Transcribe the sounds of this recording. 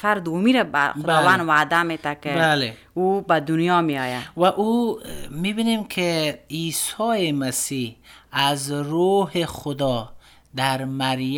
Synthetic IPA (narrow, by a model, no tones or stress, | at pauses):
faɾd̪uwmiɾaba̰xʊɔvanwad̪amet̪akebale | ubad̪ʊnjɔmiɔjavaʔumibinemkʰeisɔjemasihazɾoɦexʊd̪ɔ | d̪aɾmaɾj